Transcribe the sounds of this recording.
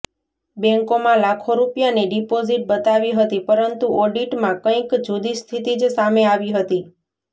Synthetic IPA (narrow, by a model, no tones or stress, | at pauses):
bɛ̃ŋkomãlakʰoɾupjaneɖipoziʈ̚bət̪aʋiɦət̪ipəɾənt̪uʔɔɖiʈmãkə̃ĩkd͡ʒod̪ist̪ʰit̪id͡ʒsameaʋiɦət̪i